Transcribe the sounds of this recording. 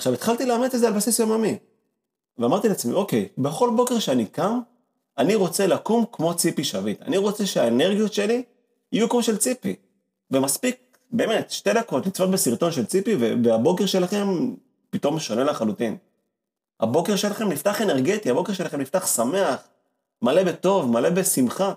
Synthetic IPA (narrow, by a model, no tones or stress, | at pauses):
ḁχʃavit̪χalt̪ileamet͡sezealbasisjomjami | veamaʁt̪ileat͡smḭo̞ke̞jbe̞χo̞lbo̞keʁʃeanikam | aniʁo̞t͡se̞lakumkmo̞t͡sipiʃavita̰niʁo̞t͡se̞ʃeaeneʁɡijot̪ʃe̞li | ijukoʃelt͡sipi | ve̞maspik̚ | be̞ːme̞tʃte̞dako̞tlit͡svotbesiʁto̞nʃe̞lt͡sipiveveabo̞ke̞ʁʃe̞laχe̞m | pito̞mʃo̞ne̞laχalutin | ha̰bo̞keʁʃelaχe̞mniftaχe̞neʁɡetiabo̞ke̞ʁʃelaχemniftaχsame̞aχ | male̞beto̞vmale̞be̞simχa